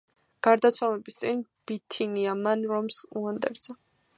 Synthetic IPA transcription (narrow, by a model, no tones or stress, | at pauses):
ɡ̥aɾd̪at̪sʰwalɛbist̪sʼinb̥it̪ʰiniamanɾɔmsuand̪ɛ̰ɾd̪z̥a